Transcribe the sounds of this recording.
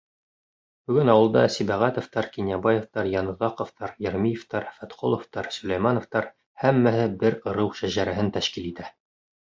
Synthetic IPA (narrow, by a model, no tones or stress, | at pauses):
b̥ɵ̆ɡɵnɑwɤ̆lˠd̪ɑsibæʁæt̪ŏft̪ɑɾkinʲjɑbɑjĕft̪ɑɾjɑnɤ̆ðɑqŏft̪ɑɾjĕɾmijĕft̪ɑɾfæt̪qo̰lˠŏft̪ɑɾsɵ̆læjmɑnŏft̪ɑɾ | hæmːæhɘbɘɾɤ̆ɾɤwʃæʑæɾæɦɘnt̪æʃkilit̪æ